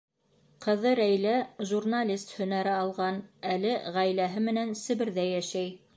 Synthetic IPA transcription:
qɤ̆ðɤɾæjlæʒurnalʲist̪hɵ̆næɾɘɑlˠʁɑnælɘʁæjlæɦɘmɘ̆nænsɘ̆βɘ̆ɾðæjæʃæj

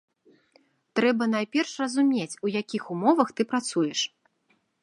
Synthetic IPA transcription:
t̪ɾɛbɐnajpʲɛrʂrɐzumʲet͡sʲujakʲixumɔvɐxt̪ɨpɾat̪sujɛʂ

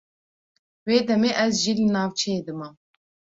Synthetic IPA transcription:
weːd̪ɛmeːʔɛzʒiːlɨnɑːwt͡ʃʰeed̪ɨmɑ

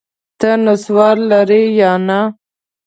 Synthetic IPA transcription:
t̪ənaswɑɾlaɾijɑna

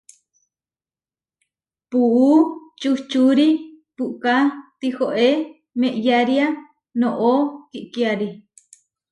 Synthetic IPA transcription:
puʔut͡ʃut͡ʃuɾi | puʔkat̪ihoʔe | mẽʔjaɾia | nõʔokiʔkiaɾi

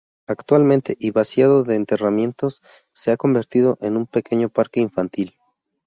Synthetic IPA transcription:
akt̪walmẽ̞nt̪e̞ʔiβasjaðo̞ðe̞ːnt̪e̞ramjẽ̞nt̪o̞sː | e̞ako̞mbe̞ɾt̪ið̞o̞ʔe̞numpe̞ke̞ɲo̞paɾke̞iɱfant̪il

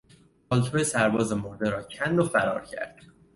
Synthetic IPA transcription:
pɒːlt̪ʰoːjesæɾbɒːzemoɾd̪eɾɒːcʰænd̪ofæɾɒːɾcʰæ̰ɾd̪̥

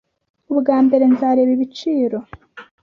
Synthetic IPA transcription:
uβɡaːmbe̞ɾe̞nzaːɾe̞βiβit͡ʃiːɾo̞

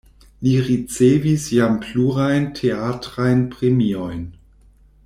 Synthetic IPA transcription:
liʁit͡sevisjampʰluʁajntʰeatʁajnpʁemiojn

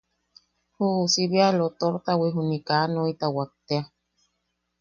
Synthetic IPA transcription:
huːsiβialot̪oɾt̪awiɦunikanoit̪awak̚t̪ea

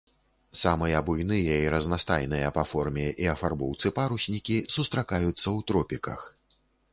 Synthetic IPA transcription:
samɨjɐbujnɨjɐiɾɐznast̪ajnɨjɐpafɔrmʲɛʔiɐfarbɔwt̪sɨpaɾusʲnʲikʲisust̪ɾakajut̪sːɐwt̪ɾɔpʲikɐ̰x

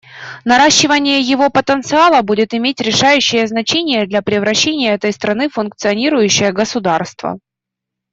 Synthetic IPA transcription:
nɐɾaɕːɪvənʲɪjəjɪvo̞pət̪ənt̪sɨalˠəbudʲɪt̪ɪmʲetʲɾʲɪʂajʉɕːɪjəznɐt͡ɕenʲɪjəd̪lʲɐpɾʲɪvɾɐɕːenʲɪjəɛt̪əjst̪ɾɐnɨfʊnkt̪sɨɐnʲiɾʊjʉɕːɪjəɡəsʊd̪arst̪və̰

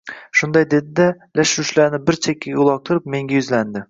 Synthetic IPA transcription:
ʃund̪ɑjd̪ed̪ɪd̪ɛ | læʃɾyʃlæɾnɪbɪɾt͡ʃʰekʲʰːɛjulˠɑk̚t̪ʰʊɾɨp̚meŋɡʲɛjyzlænd̪ɪ

